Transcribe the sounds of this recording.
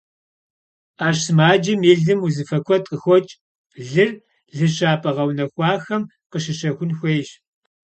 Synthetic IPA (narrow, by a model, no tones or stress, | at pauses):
aːɕsɨmaːd͡ʒɐmeːɮɨmuzɨfɐkʷʰɔtʼəxʷɔt͡ʃʼ | ɮɨr | ɮɨɕaːpʼɐʁɐwnɐxʷɑːxɐm | qəɕɪɕɐxʷʊnxʷeːɕ